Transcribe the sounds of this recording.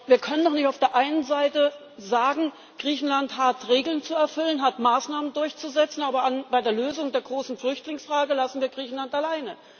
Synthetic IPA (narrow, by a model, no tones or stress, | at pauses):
viːɐkʰœnəndɔχnɪçtaʊfd̥eːɐʔaɪnənzaɪtə | zaːɡŋ̩ | ɡ̥ʁiːçn̩lanthatʁeːɡl̩nt͡suɛɐfʏlənɦatmaːsnaːməndʊɐçt͡suzɛt͡sn̩ʔaːbɐanbaɪdeːɐløːzʊŋdeːɐɡʁoːsn̩flʏçtlɪŋsfʁ̥aːɡəlasn̩viːɐɡʁiːçn̩lantalaɪnə